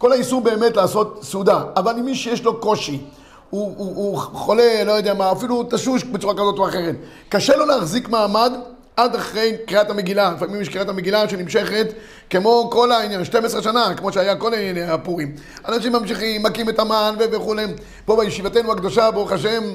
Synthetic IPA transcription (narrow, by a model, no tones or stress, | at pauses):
ko̞laisuʁbe̞ːmetlaːso̞t̪sud̪aavalimːiʃejeʃlo̞ko̞ʃi | u | χole̞lo̞jodeamaːfilutaʃuʃbet͡suʁakazo̞toaχe̞ʁ̞et̪ | kaʃe̞lo̞leaχzikmaːmad̪ | ad̪aχʁe̞jkʁiathameɡilalifamimjeʃkʁiatameɡilaʃenimʃe̞χe̞t̪ | kemo̞ko̞lainjanʃte̞mesʁeʃanakemo̞ʃeajako̞lainjaneapuʁim | anaʃimːamʃiχimːakimetamanveveχulem | po̞bajeʃivat̪e̞jnuakd̪oʃabeuχaʃe̞m